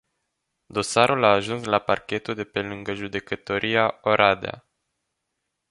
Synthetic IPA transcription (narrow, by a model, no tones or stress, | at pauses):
d̪o̞saɾulaːʒunslapa̰rkʲe̞t̪uld̪e̞pe̞lɨŋɡəʒud̪e̞kət̪o̞ɾʔiaoɾʔad̪ea̰